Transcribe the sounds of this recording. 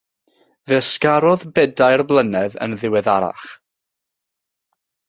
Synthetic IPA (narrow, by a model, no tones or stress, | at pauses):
vɪskaɾɔðbɛdajrblˠənɛðə̰nðɪwɛðaɾa̰χ